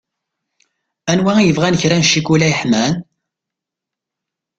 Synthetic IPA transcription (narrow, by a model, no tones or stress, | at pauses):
ænwæjəvʁænəçɾænʃːikulæəħmæn